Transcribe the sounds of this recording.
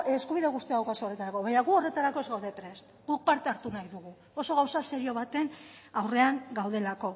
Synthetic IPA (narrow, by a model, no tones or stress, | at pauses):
eskuβiðeɣust̪iaðawkasoret̪aɾako̞βaɲaɣuo̞re̞t̪aɾako̞ezɣawðe̞pɾe̞st̪ɡuk̚paɾt̪e̞aɾt̪unajðuɣu | o̞so̞ɣawsaseɾio̞β̞at̪e̞nawre̞aŋɡawð̞e̞lako̞